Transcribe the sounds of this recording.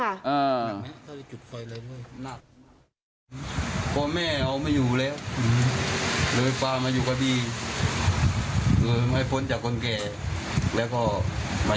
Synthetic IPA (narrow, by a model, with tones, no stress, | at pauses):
kʰa˧˩ʔaː˧˩˧a˧˨˧t͡ɕu˨˩t̪̚fɔ˧˩jlaː˧jlu˧˥˩əjna˧˩k̚a˧˩ | pʰɔː˧˦mɛː˧˩˨ʔa˧wmaː˧˥˨juː˨˩lɛː˦˧˥w | lɤː˧˨jpaː˧maː˧juː˨˩kʰa˧biː˧˨ | kɯː˧˩ma˧˩jpʰo˧˦nt͡ɕaː˨˩kʰːo˧˨nkɛː˨˧˩ | lɛː˧˥˨wkɔː˧˩ma˧